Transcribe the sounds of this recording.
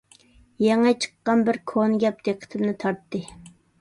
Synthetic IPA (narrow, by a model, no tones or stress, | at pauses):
jɛŋɛt͡ʃʰə̥qːɑnbɪɾkʰonɡʲɛp̚d̪̥eqʰə̥t̪ʰɪmnɪt̪ʰɑɾt̪ːɨ